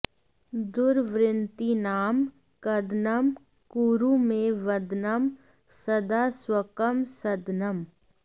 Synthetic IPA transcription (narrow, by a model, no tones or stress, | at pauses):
d̪ʊɾʋɾɪnt̪inaːm | kɐd̪nəm | kuɾumẽʋɐd̪nəm | sɐd̪aːswəkəmsɐd̪nəm